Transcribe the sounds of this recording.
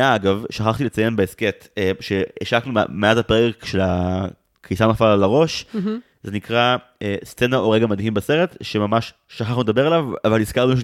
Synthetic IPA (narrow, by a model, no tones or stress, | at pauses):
aaɡavʃaχaχt̪ilet͡sajenbeesket̪ʃeiʃaknummeazapeekʃe̞la | kisanafalalaʁo̞ʃ | zenikʁa | est͡se̞naoʁeɡamad̪ɦimbese̞ʁe̞tʃe̞mamaʃ | ʃaχaχnumed̪abe̞ʁelavavaliskaʁluaʃ